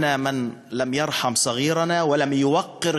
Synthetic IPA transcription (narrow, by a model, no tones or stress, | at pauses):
naːmɪnlamjɑɾˤħɑmsˤɑɣiːɾˤɑnaːwalamjʊwɑqːɪɾ